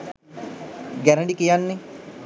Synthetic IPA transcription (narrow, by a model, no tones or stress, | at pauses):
ɡæɾəɖikijanːe